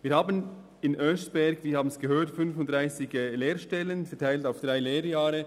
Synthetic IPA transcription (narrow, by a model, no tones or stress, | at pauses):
viːɾhaːbən | ɪnʔœsb̥ɛɾɡviːhaːbnsɡ̥əɦøːtfʏnfʊntd̥ʁaɪsɪɡəleːɾʃtɛlənfɛɐtʰaɪltaʊfd̥ʁaɪleːɾjaːɾə